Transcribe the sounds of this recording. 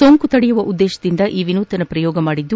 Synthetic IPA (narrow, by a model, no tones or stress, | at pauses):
oːŋkut̪ɐɽijuʋɐʔud̪ːɛːʃɐd̪ind̪ɐʔiːʋinuːt̪ɐnɐpɾɐjɔːɡɐmaːɽid̪ːu